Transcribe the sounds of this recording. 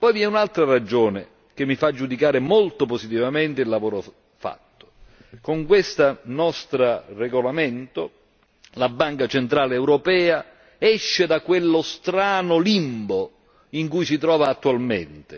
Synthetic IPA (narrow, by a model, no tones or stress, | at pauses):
pɔjviɛunalt̪ɾarad͡ʒoːne | k̟emːifad͡ʒːud̪ikaːɾɪmolt̪oposit̪̬ivament̪ɪilːavoːɾo | fa̰t̪ːo̥ | koŋkwest̪anɔst̪ɾareɡolament̪o | labːaŋkat͡ʃent̪ɾaːleːwɾopɛːa | ɛʃːed̪akwelːost̪ɾaːnʊlimbo | iŋkujsit̪̬ɾɔːvaːt̪ːuwalmḛnt̪ɪ